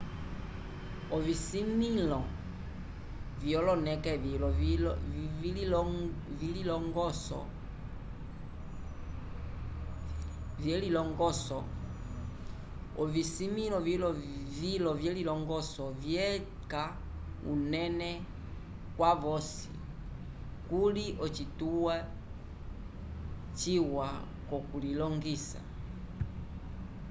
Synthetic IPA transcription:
ɔvisimilɔ | vjɔlɔnɛkɛvlɔ | livililɔŋɡɔsɔ̰ | vjɛlilɔŋɡɔsɔ | ɔvisimilɔvilɔvilɔvjɛlilɔŋɡɔsɔvjɛ | ka | unɛnɛ | kwavɔsḭ | kuliʔɔt͡ʃituwa | t͡ʃiwa | kɔkulilɔŋɡisa̰

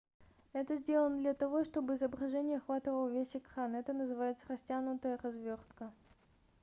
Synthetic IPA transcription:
ɛt̪əzʲdʲelˠənəd̪lʲɐt̪ɐvo̞ʂt̪o̞bɨɪzəbɾɐʐɛnʲɪjəɐxvat̪ɨvəlˠəvʲesʲɪkɾanɛt̪ənəzɨvajɪt̪sərɐsʲtʲanʊt̪əjərɐzvʲort̪kə

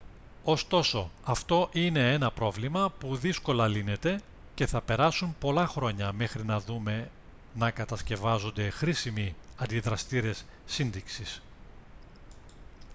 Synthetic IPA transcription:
o̞st̪o̞so̞ɐft̪o̞ʔine̞e̞nɐpɾo̞vlimɐpuðisko̞lɐline̞t̪e̞ | ce̞θɐpe̞ɾɐsumpo̞lɐxɾo̞ɲɐme̞xɾinɐðume̞ | nɐkɐt̪ɐsce̞vɐzo̞nd̪e̞xɾisimiɐnd̪iðɾɐst̪iɾe̞sːinðiksis

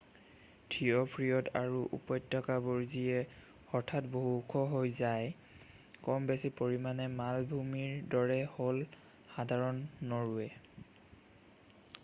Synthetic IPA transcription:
tʰijɔpʰɹijɔtaɹuʔṵpɔjtːɔkaboɹziɛ | ɔɹtʰatboɦukʰɔɦojzaj | kɔmbesipoɹimanɛmalbʱumiɹdɔɹɛhol | xadʱaɹɔnːɔɹuɛ

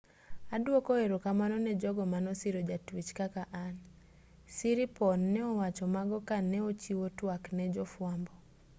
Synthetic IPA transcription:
adwokɔeɾokamanɔnɛd͡ʒɔɡɔmanɔsiɾod͡ʒatwit͡ʃkakaʔan | siɾipɔnːɛɔwat͡ʃɔmaɡɔkanɛot͡ʃiwotwaknɛd͡ʒɔfwambɔ

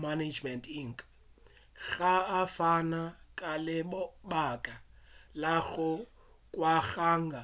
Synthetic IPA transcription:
maned͡ʒmɛntiŋ̩kʼ | ɣaːfanakʼalɪbakʼalaɣʊ | kʼwaɣaːŋɡʱa

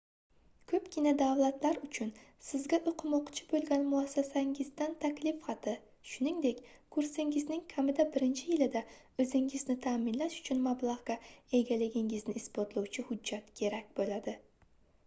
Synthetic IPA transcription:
kʰɵpkʲɪnad̪awlˠat̪laɾʊt͡ʃʰʊnsɪzɡʲaʔoqʰɨmɒqt͡ʃʰɪ̥bolˠɡʲanmʊasːasaŋɪzd̪ant̪ʰakʲlɪfχɑt̪ʰɪ | ʃʊnɪŋd̪e̞kʲkʰʊɾsɪŋɪznɪŋkʲʰamɪd̪abɪɾɪnt͡ʃʰɪjɪlɪd̪a | ɵzɪŋɪznɪt̪ʰaːmɪnlaʃʊ̥t͡ʃʰʊnmablˠaʁɡ̥ʲae̞ɡʲalɪɡʲɪŋɪznɪɪspot̪lˠawt͡ʃʰɪhʊd͡ʒːat̪kʲʰe̞ɾakʲbolad̪ɪ

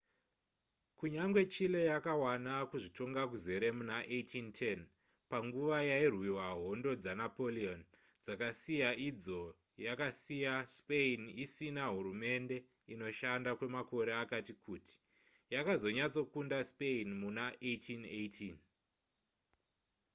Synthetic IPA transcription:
kuɲaŋɡwe̞t͡ʃile̞jakawanakuʐito̞ŋɡak̬uze̞ɾe̞munaʔejtʰintʰen | paŋɡuʋajairwiwaɦo̞ndo̞d͡zanapo̞lion | d͡zakasijaʔid͡zo̞ | jakasijaspeinisinaɦuɾume̞nde̞ | ino̞ʃandakwe̞mako̞ɾe̞akatikʰuːti̥ | jakazo̞ɲat͡so̞kundaspeinmunaʔejtʰinejtʰin

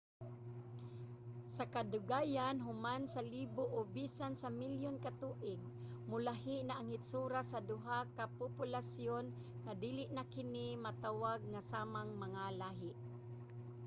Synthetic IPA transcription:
sakad̪ʊɡaːjanɦʊmansaliːbʊʔobisansamɪljonkat̪uːʔɪɡ̚ | mʊlaɦɪʔnaʔaŋhɪt̪suɾasad̪ʊɦakapʊpʊlasjon | ŋad̪iːlɪʔnakɪnimat̪awaɡ̚ŋasaːmaŋmaŋalaːɦɪʔ

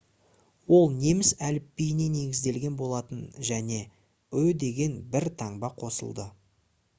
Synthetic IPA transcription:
wo̞lˠne̞mɪsælɪpːijne̞ne̞ɡʲɪzd̪e̞lɡʲe̞nbo̞lˠɑt̪ənʒæne̞ | ɵd̪e̞ɡʲe̞nbɪɾt̪ʰɑɴbɑqʰo̞sə̰lˠd̪ə

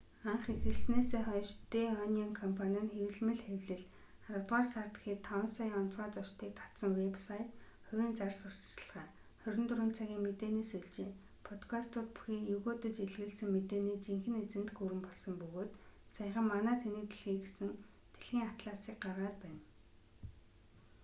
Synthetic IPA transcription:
aɴχexɘ̆ɮneseːχɔjʃt̪eːɔniɔŋkʰɔmpʰanʲə̆nxewɘ̆ɮmɘ̆ɮxewɮɘ̆ɮ | aɾə̆wt̪ʁaːrsart̪xiːt̪ʰɔw̆nsajɔn̥t͡sʁɔːt͡sɔt͡ɕt̪ʰiːk̚t̪ʰḁsɞ̆ŋwepsajt̪ | χʊwʲiːnt͡sarsʊr̥t̪t͡ɕ̆ɮʁæː | χœɾʲɵ̆nt̪ɵɾuːnt͡sʰaɣʲiːŋmet̪eːneːsɵɮt͡ɕeː | pʰɔt̪kʰast̪ʊːt̪̚pu̥xiːjɵɣoːt̪ɵ̆t͡ɕeɮɣɘ̆ɮsɘ̆ŋmet̪eːniːt͡ɕiŋxɘ̆net͡sɘ̆nt̪ɡuɾɘ̆mpɔɮsɞ̆mpɵɣoːt̪saj̆χə̆mːanæːt̪ʰenĕt̪ɘ̆ɮxiːɡesɘ̆n | t̪ʰe̥ɮxiːŋat̪ɮaːsiːk̚ɢarʁaːt̪̚pæːn

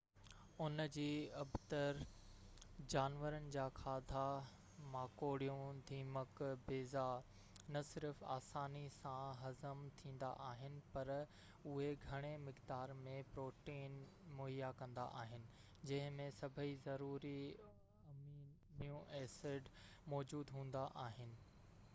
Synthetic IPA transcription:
ʊnd͡ʑiːɐbʱt̪əɾ | d͡ʑaːnʋəɾənɪ̆d͡ʑaːkʰaːd̪ʱa | maːkoːɽijũd̪ʱiːməkbeːza | nɐsɪɾfa̰ːsaːnisãɦɐzəmt̪ʰĩːn̆d̪a̰ʔaːɦɪnɪ̆pɐɾ | ʊɦeɡʱɐɽ̃emɪkd̪aːɾmẽpɾoːʈiːnmʊɦijakɐ̃nd̪a̰ʔaːɦɪnɪ̆ | d͡ʑɐ̃ɦɪ̃mẽsɐbʱəizɐɾuːɾi | mijũʔɛːsɪɖ | mɔːd͡ʑuːd̪ɦũːn̆d̪aʔaːɦɪnɪ̆

